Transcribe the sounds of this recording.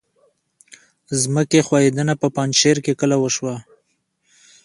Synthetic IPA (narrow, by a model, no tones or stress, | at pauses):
zməkexwɑjed̪ənapəpɑnʃeɾkekəlawəʃwa